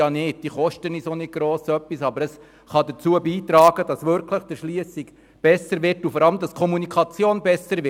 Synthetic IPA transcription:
ɑnɪːd̚d̥iːχɔʃtənisonɪdɡ̥ɾoːsœpːisɑbəɾəs | χɑd̪ət͡suəbiːtɾɑːɡ̥əd̥ɑsʋʏɾkʰləχd̥əʃliəsiɡ | b̥ɛsəɾʋɪɾtufɔɾɑləmd̥ɑskʰɔmunikʰɑt͡sjoːnbɛsəɾʋɪ

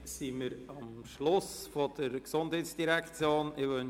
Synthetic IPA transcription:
siməɾɑmʃlʊsfod̥̪əɾksʊndhɛːtsd̥iɾɛkt͡sjoːnɪʋœn

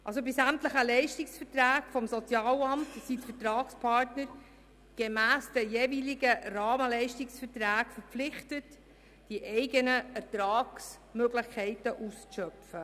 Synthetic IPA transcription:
ʔɑls̬obɪsæmtləχəlɛɪʃtɪksfəɾtræːkfɔmsɔt͡sjɑːlɑmtsitfəɾtrɑːkspʰɑɾtnəɾ | ɡ̥emæːsd̥ɛjeːviːlɪɡərɑːməlɛɪʃtɪksfəɾtræːkfəɾpflɪχtət | d̥iʔɛɪɡənəɛɾtɾɑːks | møɡlɪχkʰɛɪtəʔust͡sʃœpfə

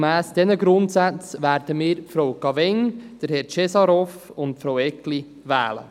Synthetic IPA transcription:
mæːsd̥ɛnəɡɾʊntsæt͡sʋæːɾd̥əmiːɾfɾowkɑvɛŋd̥əɾhɛɾt͡ʃɛsɑɾɔfʊntpfɾowɛkli | ʋæ̰ːlə̰

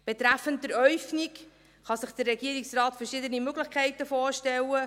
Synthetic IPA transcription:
b̥et̪ɾæfːəntəɾœʏfnik | χɑsɪχd̥̪ərːɛɡ̥iəɾɪksrɑːt̪fəɾʃɪdənimøɡləχkʰɛɪtəfoːɾʃtɛlːə

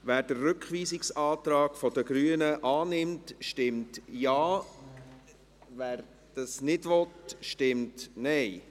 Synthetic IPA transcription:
ʋæːɾd̥əːɵkχʋiːsɪksɑːtɾɑːɡ̥fɔdəɡ̥ɾyənəʔɑːnɪmtʃtɪmtjɑː | væːɾ | d̥ɑsnɪdʋɔtʃtɪmtnɛɪ

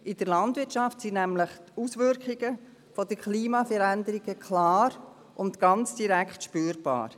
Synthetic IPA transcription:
ʔɪd̥əɾlɑndʋɪtt͡ʃɑftsinæmləχtusʋʏɾkʰiɡə | fɔd̥əkʰliːmɑfəɾænd̪əɾiɡəkʰlɑːɾ | ʔʊnt̪ɡ̥ɑnt͡sd̥iɾækχtʃpyːɾb̥ɑ̰ːɾ

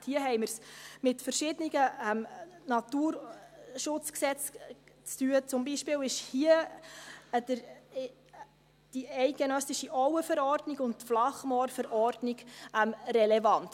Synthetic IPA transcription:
hiəɦɛɪmərsmɪtfəɾʃɪdənɪɡəɛmnɑtuːɾʃʊt͡sksɛt͡st͡styət͡sʊmbiʃpɪːwɪʃhiə | d̥əɾ | d̥iɛɪt̚ɡ̥enœsɪʃiʔɔʊwəfɛɾɔɾdniɡʊntflɑχmɔːɾfɛɾʔɔrdnɪɡʔɛmrɛlɛvɑnt

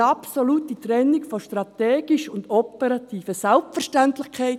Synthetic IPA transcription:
ɑpsoluːtitrɛnːɪkfoʃtɾɑt̪eːɡ̥ɪʃʊndopəɾɑtʰiːfəsɛlpfəɾʃtantlɪxkʰaɪt

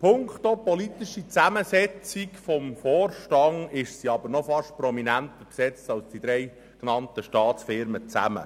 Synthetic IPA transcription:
pʰʊŋkχt̪opɔlit̪iʃit͡sæməsɛt͡sikfɔmfɔːrʃtɑŋɪʃsiɑbəɾnɔfɑʃtpɾɔminænt̪əpsɛt͡stɑlsd̥id̪ɾɛj | knɑnt̪əʃtɑːtt͡sfɪɾmət͡sæ̰mə̰

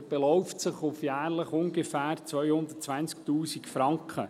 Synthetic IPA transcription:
b̥elɔwftsəχʊfjæːɾləχʊŋɡefæːɾt͡sʋœjhʊnd̪ətt͡sʋænskt̪uːsikfɾɑŋkχə

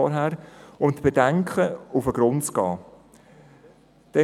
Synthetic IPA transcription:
ɔɾɦæːɾʊntb̥edæŋkχəufəɡ̥ɾʊntt͡skɑː | d̥ɛ

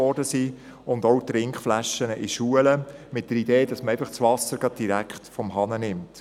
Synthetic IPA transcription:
ɔɾdəsi | ʊndɔʊt̪ɾɪŋkχflæʃənəʔiʃuələmɪt̚d̥əɾideːd̥ɑsməɾɛæɪfəχt͡sʋɑsəɾɡ̥ɾɑd̚d̥iɾækχtfɔmɦɑnənɪmt

